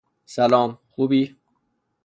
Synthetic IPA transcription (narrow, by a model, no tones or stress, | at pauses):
sælɒːmxuːbiː